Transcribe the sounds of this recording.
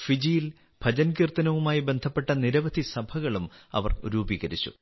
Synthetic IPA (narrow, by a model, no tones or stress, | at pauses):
fid͡ʑijil | b̥ʱɐd͡ʑɐnkiːrt̪ɐnɐʋumaːjibe̞nd̪ʱɐpːe̞ʈːɐniɾɐʋɐd̪ʱisɐbʱɐɣɐɭumɐ̰ʋɐrṵɾuːbiːɣɐɾit͡ɕːṵ